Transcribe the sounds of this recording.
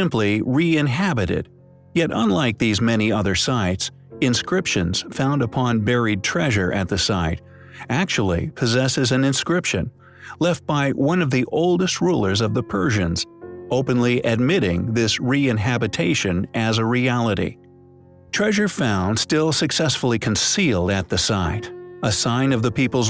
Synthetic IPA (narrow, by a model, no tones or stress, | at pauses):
ɪ̃mpliɹiɪ̃nɦæbɨɾɪ̰d̥̚ | jɛɾə̰̃nlaɪk̚ðizmɛniʌðə˞saɪts | ɨ̃nskɹɪpʃɨ̃nz̥fãʊ̃ndəpʰɑ̃nbɛɹid̚tʰɹ̥ɛʒə˞ʔɨ̰t̪̚ðɨsaɪɾ | æk̚t͡ʃul̩ˠḭpʰɨzɛsɨzɨ̃nɨ̃nskɹɪpʃɨ̰̃n | lɛft̚b̥aɪwʌ̃nʌvðiʔoʊlˠdɨst̚ɹulˠə˞zʌvðəpʰɜ˞ʒɨ̃nz̥oʊpɨ̃nliʔɨd̚mɪɾɪ̃ŋðɪsɹiɨ̃nɦæbɨtʰeɪʃɨ̃nʔɨzəɹiælˠəɾḭ | tʰɹ̥ɛʒə˞fãʊ̃nd̥stɪlˠsɨksɛsfl̩ˠikʰɨ̃n̩silˠdɨt̪̚ðɨsaɪɾəsãɪ̃nʌvðɨpipl̩ˠz